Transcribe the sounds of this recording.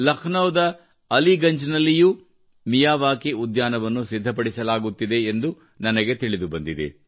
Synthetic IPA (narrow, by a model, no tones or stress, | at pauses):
lɐkʰnɐwd̪ɐː | liɡɐɲd͡ʒnɐlːiju | mijaːʋaːkiud̪jaːnɐʋɐnːusid̪ʱːɐpɐɽisɐlaːɡut̪ːid̪e̞ːnd̪u | nɐnɐɡe̞t̪iɭid̪ubɐnd̪id̪ḛ